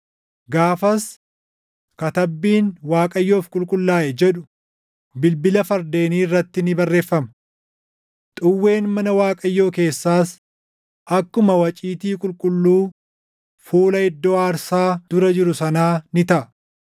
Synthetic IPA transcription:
ɡaːfɐs | kɐt̪ɐbːiːnwaːkʼɐjːo̞ːfkʼʊlkʼʊlːaːʔɛd͡ʒɛᶑʊ | bɪlbɪlɐfɐɾd̪e̞ːniːrːɐt̪ːɪnɪbɐrːe̞ːfːɐmɐ | t̪ʼʊwːe̞ːnmɐnɐwaːkʼɐjːo̞ːke̞ːsːaːs | ʔɐkːʊmɐwɐt͡ʃʼiːt̪iːkʼʊlkʼʊlːuː | fuːlɐɪd̪ːoːaːɾsaːd̪̥ʊɾɐd͡ʒɪɾʊsɐnaːnɪt̪ɐʔɐ

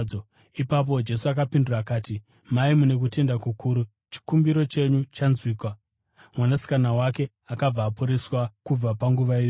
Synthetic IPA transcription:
o | ipap̬o̞d͡ʒe̞suakapinduraːkaːti | maimune̞k̬ute̞ndakukʰuːɾu | t͡ʃi̥kumbiɾo̞t͡ʃe̞ɲut͡ʃanzwiːkwa | mwanasi̥kanawake̞ | akab͡vaːpuɾeswakub͡vapaŋɡuʋaijo

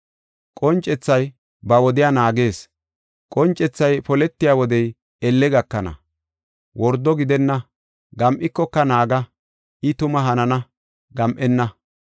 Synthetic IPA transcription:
kʼɔnt͡ʃʼːɛt͡sːɐj | bɐwɔd̪ɪjaːnaːɡe̞ːs | kʼɔnt͡ʃʼːɛt͡sːɐjpɔlɛt̪ːɪjaːwɔd̪ɛj | ɛlːɛɡɐkːɐnɐ̰ | wɔɾd̪ɔɡɪd̪ɛnːɐ | ɡɐmʔɪkːɔkːɐnaːɡɐ | ʔɪt̪ʊmɐɦɐnɐnɐ | ɡɐmʔɛnːɐ

